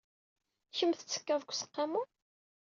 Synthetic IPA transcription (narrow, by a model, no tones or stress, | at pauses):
çəmθət͡sːə̥kːævɡʷsə̥qːɑmu